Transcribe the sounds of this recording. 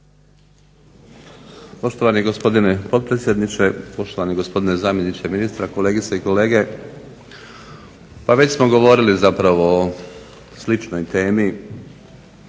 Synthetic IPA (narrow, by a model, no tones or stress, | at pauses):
po̞ʃt̪o̞ʋaniɡo̞spo̞d̪ine̞po̞t̪̚pɾe̞t̪sʲjed̪nit͡ʃe̞po̞ʃt̪oʋaniɡo̞spo̞d̪inezaːmjenit͡ɕeminist̪ɾako̞le̞ːɡit̪saiko̞le̞ːɡe̞ | paʋe̞t͡ɕsmo̞ɡo̞ʋo̞ɾilizapɾaʋoː | slit͡ʃnojt̪e̞ːmi